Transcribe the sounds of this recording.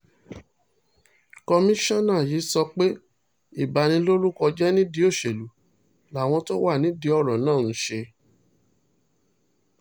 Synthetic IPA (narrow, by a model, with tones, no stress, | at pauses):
kɔ˧mĩ˦ʃɔ̃˦nã˦˨ji˨˦sɔ˧k͡pe˦ | i˦˨ba˨nĩ˧˦lo˦lu˦kɔ˧d͡ʒɛ˦nĩ˦di˧˦o˦˨ʃe˨lu˨˦ | la˨w̃ɔ̃˧to˦wa˦˨nĩ˨˦di˧˦ɔ˦˨ɾɔ̃˨nãː˦˨n̩˨˦ʃe˧